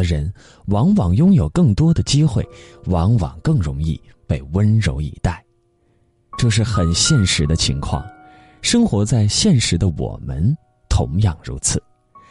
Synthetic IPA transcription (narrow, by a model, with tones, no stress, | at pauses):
ə˧ɻə˧˥n | wɑ˧˥ŋwɑ˨˩ŋjʊ˥ŋjo˨˩ʊkɤ˥˩ŋt̪wɔ˥d̪ə˨t͡ɕi˥xwe˥˩ɪwɑ˧˥ŋwɑ̰˨˩ŋkɤ˥˩ŋɻʊ˧˥ŋi˥˧ | pe˥˩ɪwə˥nɻo˧˥ʊḭ˨˧˩t̪a˥˩ɪ | ʈ͡ʂɤ˥˧ʂ̬ɻ̩˥˩xə˨˩nɕjɛ˥˩nʂɻ̩˧˥d̪ə˧t͡ɕʰi˧˥ŋkʰwɑ̰˥˩ŋ | ʂɤ˥ŋxwɔ˧˥t͡sa˥˧ɪɕjɛ˥˩nʂɻ̩˧˥d̪ə˧wɔ̰˨˩mə̰˦n | t̪ʰʊ̰˧˥ŋjɑ˥˩ŋɻṵ˧˥t͡sʰɹ̩˨˩˦